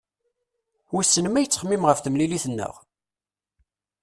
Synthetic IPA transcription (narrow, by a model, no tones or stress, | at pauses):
wisːənmæjət͡sːə̥χmːimʁəfθəmliliθənːə̰ʁ